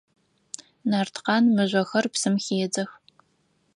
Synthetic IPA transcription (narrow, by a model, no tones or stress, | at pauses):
nartʰqɑːnmɨʒʷɐxɐrpsɨmxiɛd͡zɐx